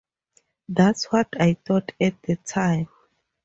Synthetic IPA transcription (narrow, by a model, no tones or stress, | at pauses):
d̪atswɔtʰajt̪ɔtʰɛt̚d̪ətʰãjm